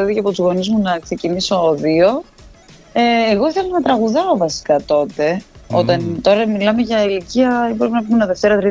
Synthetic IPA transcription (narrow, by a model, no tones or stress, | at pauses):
eðiceɐpot̪uzɣo̞nizmunɐkse̞ciniso̞oðio̞ | eːɣo̞θelonɐt̪ɾɐɣuðɐovɐsi̥kɐt̪o̞t̪e̞o̞̰t̪ɐnt̪o̞ɾɐmilɐme̞ʝɐiliciɐiboɾepinɐp̬umenɐðeft̪e̞ɾɐt̪ɾi